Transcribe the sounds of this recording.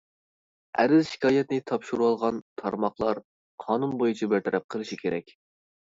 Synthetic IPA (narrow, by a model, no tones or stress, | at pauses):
æ̰ɾɪzʃi̥kʰɑːjɛt̪nɪt̪ʰɑpʃuɾuɑlˠʁɑnt̪ʰɑɾmɑqlˠɑɾ | qʰɑːnunbojut͡ʃʰɑbæɾt̪ʰɛɾɛp̚qʰəlˠɨʃikʲʰeɾɛ̰kʲ